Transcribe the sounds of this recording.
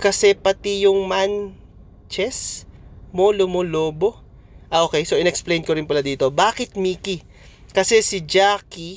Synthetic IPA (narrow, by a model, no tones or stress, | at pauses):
kɐsɛpɐt̪ijʊŋman | t͡ʃɛs | molomoloːbo̞ | ʔɐʔoːkɛjsoʔɪnɛksplejnkoɾɪnpɐlad̪iːt̪o̞baːkɪt̪̚miːki | kɐsɛsɪd͡ʒaːki